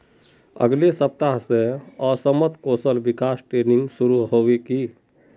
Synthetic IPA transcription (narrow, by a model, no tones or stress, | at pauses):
ə̰ɡlesəp̚t̪aɦsẽɔsəmət̪koːsəlbɪkaːsʈɾeːnɪŋɡsuɾuɦoːweki